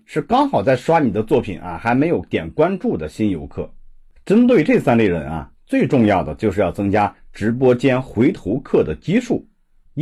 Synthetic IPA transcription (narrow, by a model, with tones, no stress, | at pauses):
ʂɻ̩˥˩kɑ˥ŋxɑ˨˩ʊt͡sa˥˩ɪʂwa˥ni˨˩d̪ə˦t͡swɔ˥˩pʰḭ˨˩˦nɐ̰˧xa˧˥ɪme˧˥ɪjo˧˩˥ʊt̪jɛ˨˩nkwa˥nʈ͡ʂu˥˩d̪ə˩ɕi˥njo˧˥ʊkʰɤ̰˥˩ | ʈ͡ʂə˥nt̪̬we˥˧ɪʈ͡ʂe˥˩sa˥nli˥˩ɻə̰˧˥nɐ̰˧t͡swe˥˧ɪʈ͡ʂʊ˥˧ŋjɑ˥˩ʊd̪ə˩t͡ɕjo˥˧ʊʂɻ̩˥˧jɑ˥˩ʊt͡sɤ˥ŋt͡ɕja˥ʈ͡ʂɻ̩˧˥p̬wɔ˥t͡ɕjɛ˥nxwe˧˥ɪt̪ʰo˧˥ʊkʰɤ˥˩d̪ə˩t͡ɕi˥ʂu˥˩